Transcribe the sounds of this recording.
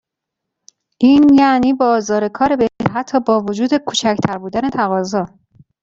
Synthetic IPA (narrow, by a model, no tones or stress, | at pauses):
ʔiːnjæniːbɒːzɒːɾe̞kʰɒːɾe̞beeɦæt̪ʰːɒːbɒːvod͡ʒuːd̪e̞kʰuːt͡ʃʰæcʰt̪ʰæɾbuːd̪æne̞t̪ʰæɣɒːzɒː